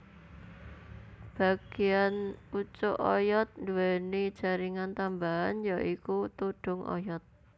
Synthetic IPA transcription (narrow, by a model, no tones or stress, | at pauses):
b̥a̤ɡ̥i̤anut͡ʃʊʔɔjɔt̪̚nd̪uwɛnid̥ʒ̥a̤ɾiŋant̪ambaɦanjaʔikut̪uɖ̥ʊ̤ŋʔɔ̰jɔt̪̚